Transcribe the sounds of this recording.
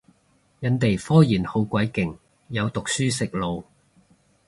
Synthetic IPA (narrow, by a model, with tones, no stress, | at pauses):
jɐ˨˧nt̪e˨jfɔː˥jiː˨˩nho˨˥wkʷɐ˨˥jkɪ˨˩ŋ | jɐ˨˧wt̪ʊ˨k̚syː˥sɪ˨k̚lo˨w